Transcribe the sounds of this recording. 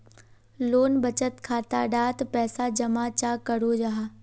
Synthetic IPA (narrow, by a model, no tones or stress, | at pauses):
loːnbɐt͡ʃət̪kʰaːt̪aɖaːt̪pɛːsad͡ʒɐmaːt͡ʃaːkɐɽod͡ʒaːɦa